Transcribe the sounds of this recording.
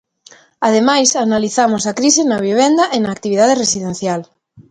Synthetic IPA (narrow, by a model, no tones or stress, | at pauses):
að̞emajsanaliθamosakɾisɪnɐβ̞iβ̞end̪ɐʔenaːk̚t̪iβiðaðeresiðẽnθjal